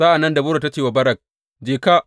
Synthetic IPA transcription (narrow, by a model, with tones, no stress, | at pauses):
a˦ʔa˨nːɐ˦nda˨bʊː˦ɾɐ˨ta˦t͡ʃeː˨wa˨bɐ˦ɾɐ˨k̚ | d͡ʒeː˨ka˦